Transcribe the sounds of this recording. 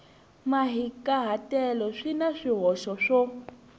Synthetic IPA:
maɦikʼaɦatʼɛlɔʂinaʂiɦɔʃɔʂɔ

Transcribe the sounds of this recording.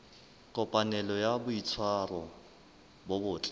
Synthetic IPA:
kʼɔpʼanɛlɔjabʊit͡sʰwarɔ | bɔbʊːt͡ɬʼɛ̥

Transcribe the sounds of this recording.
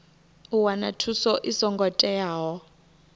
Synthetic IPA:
uwanatʰusɔʔisɔŋɡɔtʼɛaːɦɔ

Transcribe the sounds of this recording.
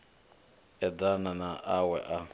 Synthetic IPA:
ɛd̪ananaʔawɛʔa

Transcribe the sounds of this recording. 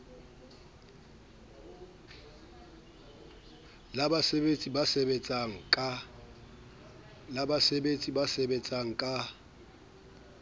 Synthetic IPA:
labasebet͡sʼibasebet͡sʼaŋ̩kʼa | labasebet͡sʼibasebet͡sʼaŋ̩kʼa

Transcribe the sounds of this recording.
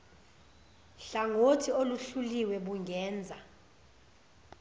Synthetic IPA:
ɬaŋotʰioluɬuliwɛɓuŋʱɛːnd͡zʱa

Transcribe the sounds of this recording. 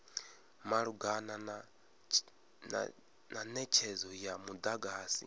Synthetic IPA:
maɺuɡana | nanɛt͡ʃʰɛzɔjamud̪aɡaːsḭ

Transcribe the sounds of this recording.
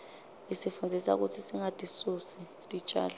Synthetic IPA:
isifund͡zʱisa̰k̬utʰisiŋatʼisusi | tʼit͡ʃʼa̰ːla

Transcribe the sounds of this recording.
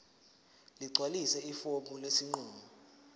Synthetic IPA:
liǀʱwalisɛifomulesiŋ͡ǃuːmɔ

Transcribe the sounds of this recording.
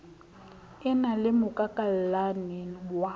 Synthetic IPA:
ɪnalɪmʊkʼakʼallanɛwa

